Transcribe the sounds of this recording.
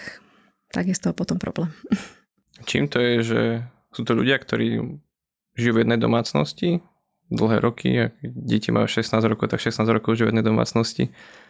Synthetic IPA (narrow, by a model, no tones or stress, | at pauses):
t̪aɡist̪ɔpɔt̪ɔmpɾɔ̰blɛːm | t͡ʃḭːmt̪ɔjɛʒɛ̰ | suːt̪ɔʎṵɟɪakt̪ʰɔɾḭː | ʒijuːvjɛd̪nɛjd̪ɔ̰maːt͡snɔ̰sci | d̪l̩ˠɦɛ̰ːɾʔɔkʰḭakɛɟɛcimʔa̰juʃɛsnaːzɾɔkɔʊt̪akʃɛsnaːzɾɔkɔʊʒiuvjɛd̪ɛjd̪ɔma̰ːt͡snɔscḭ